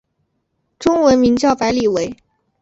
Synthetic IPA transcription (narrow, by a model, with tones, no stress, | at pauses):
ʈ͡ʂʊ˥ŋwə˧˥nmi˧˥ŋt͡ɕjɑ˥˩ʊpa˧˥ɪli˨˩we˧˥ɪ